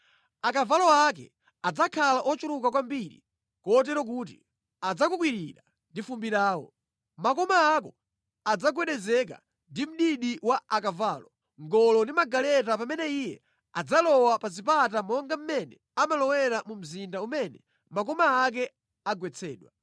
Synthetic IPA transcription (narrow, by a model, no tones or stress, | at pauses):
akavalɔakɛ̰ | ad͡zakʰalaʔɔt͡ʃuɾukakwambiɾḭ | kɔt̬ɛɾɔk̬ut̬ḭ | ad͡zakuk̬wiɾiɾa | ndifumbiɾaːwɔ̰ | makɔmaakɔ | ad͡zaɡwɛɗɛzɛk̬a̰ | ndim̩ɗiɗiwaakavaːlɔ | ŋɡɔlɔndimaɡalɛtapamɛnɛijɛ̰ | ad͡zalɔwapazipatamɔŋɡam̩mɛnɛ | amalɔwɛɾamum̩zindaumɛnɛ | makɔmaːk̬ɛ | aɡwɛt͡sʰɛːɗwa